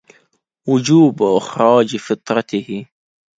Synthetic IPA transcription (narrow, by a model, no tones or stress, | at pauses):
wʊd͡ʒuːbʔɪxɾˤɑːd͡ʒfɪt̪ˤɾˤɑt̪ɪhi